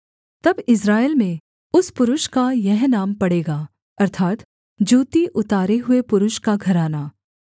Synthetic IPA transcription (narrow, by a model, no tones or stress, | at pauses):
t̪ɐbɪs̬ɾaːelmẽ | ʊspʊɾʊʃkajɐɦnaːmpɐɽeːɡaː | ɐɾt̪ʰaːt̪ | d͡ʒuːt̪iʔʊt̪aːɾeɦʊepʊɾʊʃkaɡʱɐɾaːnaː